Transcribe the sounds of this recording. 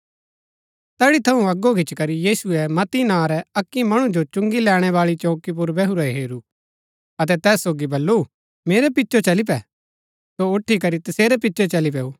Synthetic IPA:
t̪ɛːɽit̪ʰɐũɐɡokɪt͡ʃkɐɾijiːsuɛmɐt̪inãːɾɛɐkːimɐɽ̃ũd͡ʒot͡ʃʊ̃ŋɡilɛːɽ̃ɛʋaːɭit͡ʃoːkip̬ʊɾbɛɦuɾɛɦeːɾu | ɐt̪ɛt̪ɛːsːoːɡibɐlːu | meːɾɛpɪtːt͡ʃot͡ʃɐlip̬ɛ | soʊʈʰːikɐɾit̪ɐseːɾɛp̬ɪtːʃot͡ʃɐlip̬ɛuː

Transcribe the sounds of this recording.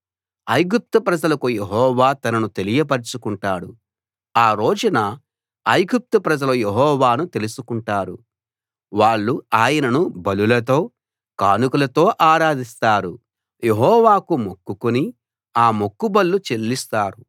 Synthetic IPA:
ɐjɡup̚t̪upɾɐd͡ʒɐlɐkujeɦɔːʋaːt̪ɐnɐnut̪e̞lijɐp̬ɐɾit͡ʃukuɳʈaːɽu | aːɾoːd͡ʒunɐ | ɐjɡup̚t̪upɾɐd͡ʒɐlɐjeɦɔːʋaːnut̪e̞lusukuɳʈaːɾu | ʋaːɭːuaːjɐnɐnubɐlulɐt̪o̞ː | kaːnukulɐt̪o̞ːʔaːɾaːd̪ist̪aːɾu | je̞ɦɔːʋaːkumokːukuni | aːmo̞kːubɐlːut͡ʃe̞lːist̪aːɾu

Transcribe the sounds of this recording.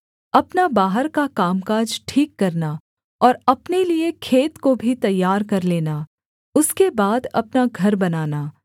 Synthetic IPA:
ɐpnabaːɦəɾkakaːmkaːd͡ʒʈʰiːkːɐɾna | ɔːɾɐpneliekʰeːt̪kobʱit̪ɐjːaːɾkɐɾleːna | ʊskebaːd̪ɐ̰pnaɡʱɐɾbɐnaːnaː

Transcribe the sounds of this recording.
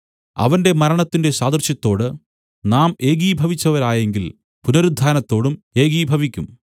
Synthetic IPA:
ɐ̰ʋɐnde̞mɐɾɐɳɐt̪ːinde̞ɕaːd̪rɕjɐt̪ːo̞ːɽɨ | naːme̞ːɡiːbʱɐʋit͡ɕːɐʋɐɾaːje̞ŋɡil | punɐɾud̪ʱːaːnɐt̪ːo̞ːɽume̞ːɡiːbʱɐʋikʲːum

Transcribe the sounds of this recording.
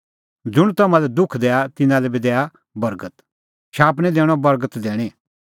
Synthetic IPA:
d͡zʊɽ̃t̪ɐmãlɛd̪ʊkʰd̪ɛːat̪ɪnãlɛbid̪ɛːa | bɐɾɡət̪ | ʃaːpɽ̃ɛd̪ɛːɽ̃ɔbɐɾɡət̪d̪ɛːɽ̃e

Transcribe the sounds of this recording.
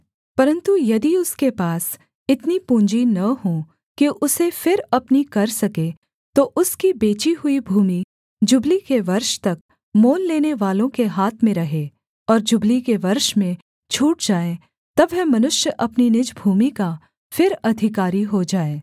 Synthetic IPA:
pɐɾə̃nt̪ujɐd̪iʊskepaːs | ɪt̪nipũːɲd͡ʒinɐɦõ | kiʔʊsefɪɾɐpnikɐɾsɐke | t̪oʔʊskibeːt͡ʃiɦʊibʱuːmi | d͡ʒʊblikeʋɐɾʃt̪ɐk̚ | moːlːeːneʋaːlõkeɦaːt̪ʰmẽɾɐɦeː | ɔːɾd͡ʒʊblikeʋɐɾʃmẽ | t͡ʃʰuːʈ̚d͡ʒaːe | t̪ɐbɦɛmɐnʊʃjəʔɐpninɪd͡ʒbʱuːmika | fɪɾɐd̪ʱɪkaːɾiɦod͡ʒaːeː

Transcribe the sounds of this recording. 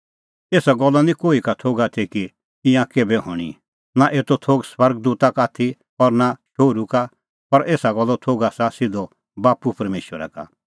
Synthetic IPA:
eːsaɡɔlːanĩkoːikat̪ʰoːɡat̪ʰiki | ɪ̃ãkeːbɛɦʊ̰̃ːɽ̃ḭ | naʔeːt̪ot̪ʰoːɡswɐɾɡ̚d̪uːt̪akaːt̪ʰi | ɔːɾnaʃoːɾuka | pɐɾʔeːsaɡɔlːɔt̪ʰoːɡasasɪd̪ɔ | baːpupɐɾmeːʃwəɾa̰ka̰

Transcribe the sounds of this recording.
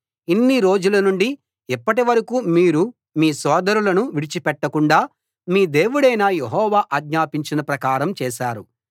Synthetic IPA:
inːiɾo̞ːd͡ʒulɐnuɳɖi | ipːɐʈiʋɐɾɐkuːmiːɾu | miːsɔːd̪ɐɾulɐnuʋiɽit͡ʃipɛʈːɐkuɳɖaː | miːd̪e̞ːʋuɽɐjnaːjeɦɔːʋaːʔɐɡɲaːpiɲt͡ʃinɐpɾɐkaːɾɐmt͡ʃɛːʃaːɾu

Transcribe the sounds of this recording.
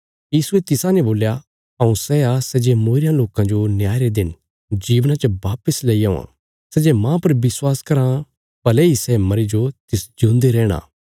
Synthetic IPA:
jiːsuet̪ɪsãneboːlja | ɐũsɛasɛd͡ʒemoːɾɪjãloːkãd͡ʒonjaːɾed̪ɪn | d͡ʒiːʋnãt͡ʃɐʋaːpəsleiɐ̃ːã̰ | sɛd͡ʒemãːpɐɾbɪswaːskɐɾã | pɐlɛisɛmɐɾid͡ʒot̪ɪsd͡ʒõːnd̪eɾɛːɽ̃a̰ː

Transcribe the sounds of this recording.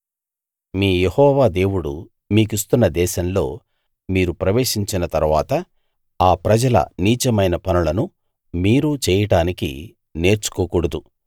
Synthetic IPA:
miːjehɔːʋaːd̪e̞ːwuɽṵ | miːk̬is̬t̪unːɐd̪ɛːʃɐmlo̞ː | miːɾupɾɐʋe̞ːʂiɲt͡ʃinɐt̪ɐɾʋaːt̪ɐ | aːpɾɐd͡ʒɐlɐ̰niːt͡ʃɐmɐjnɐpɐnulɐnu | miːɾut͡ʃɛːjɐʈaːnikḭ | ne̞ːɾt͡ʃu̥koːkuɽɐd̪u

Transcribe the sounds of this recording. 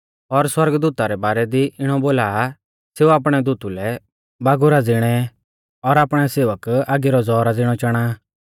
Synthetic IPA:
ɔɾswɐɾɡd̪uːt̪aɾɛbaːɾɛd̪iʔɪɽ̃ɔboːlaː | seːuaːp̬ɽ̃ɛd̪uːt̪ulɛ | baːɡʊɾad͡zɪɽ̃ɛ | ɔɾaːpɽ̃ɛseːʋəkaːɡiɾɔd͡zɔːɾad͡zɪɽ̃ɔt͡ʃɐɽ̃a

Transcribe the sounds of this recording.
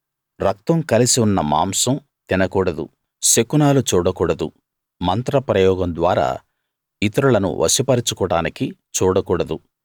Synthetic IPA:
ɾɐk̚t̪ɐmkɐlisiunːɐma̰ːmsɐm | t̪inɐkuːɽɐd̪ṵ | sekunaːlut͡ʃuːɽɐkuːɽɐd̪u | mɐnt̪ɾɐpɾɐjɔːɡɐmd̪ʋa̰ːɾa̰ː | it̪ɐɾuɭɐnṵʋʔɐ̰sipɐɾit͡ʃukɔːɽaːnikit͡ʃuːɽɐkuːɽɐd̪u

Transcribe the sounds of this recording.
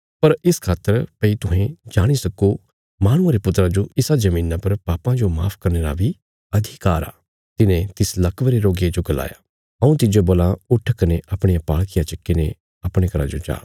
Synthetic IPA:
pɐɾɪskʰaːt̪əɾpɐit̪ʊɦẽd͡ʒaːɽ̃isɐko | maːɽ̃ʊ̃aɾepʊt̪ːɾad͡ʒoɪsad͡ʒɐmĩːnãpɐɾpaːpãd͡ʒoma̰ːpʰkɐɾneːɾa̰bʱi | ɐd̪ʱikaːɾa̰ː | t̪ɪnẽt̪ɪslɐkʋɾeɾoːɡjed͡ʒoɡɐla̰ːja̰ | ɐũt̪ɪd͡ʒoboːlãʊʈʰːkɐneʔɐpɽ̃ejapaːɭkɪjat͡ʃɐkːenḛ̃ | ɐpɽ̃ekɐɾa̰d͡ʒod͡ʒa̰ː

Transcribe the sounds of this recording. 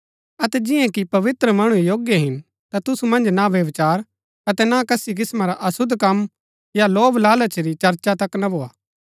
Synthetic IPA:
ɐt̪ɛd͡ʒɪ̃ãkipɐʋɪt̪ɾəmɐɽ̃ujoːɡjeɦɪn | t̪at̪ʊsumɐ̃nd͡ʒnaʋjɐʋt͡ʃaːɾ | ɐt̪ɛnakɐsik̬ɪsmaɾaʔɐsʊd̪ʱkɐm | jaloːblaːlat͡ʃəɾit͡ʃɐɾt͡ʃat̪ɐknabʱoːaː

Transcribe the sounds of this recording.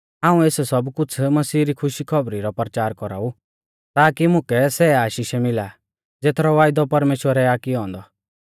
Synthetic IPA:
aːũeːssɔbkʊt͡sʰmɐsiːɾikʰʊʃikʰɔbɾiɾɔpɾət͡ʃaːɾkɔɾa̰ːu | t̪aːkimʊ̃kɛsɛaːʃiːʃɛmɪla | d͡zeːt̪ʰɾɔʋaːɪd̪ɔpɐɾmeːʃwəɾɛaːkiɔ̃ːnd̪ɔ

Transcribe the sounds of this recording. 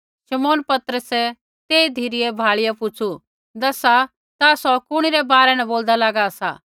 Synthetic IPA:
ʃɐmoːnpɐt̪ɾəsɛ | t̪eːid̪ʱiɾɪɛbʱaːɭɪjapʊt͡ʃʰu | d̪ɐsa | t̪asɔkʊɽ̃iɾɛbaːɾɛnɛboːld̪alaːɡaɐsa̰ː

